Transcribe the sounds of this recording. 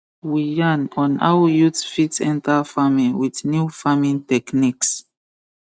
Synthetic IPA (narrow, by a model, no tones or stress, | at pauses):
wijãnɔ̃na̰wəjutfitsɛ̃ntʰalfamĩŋwidnjufamĩŋtɛkniks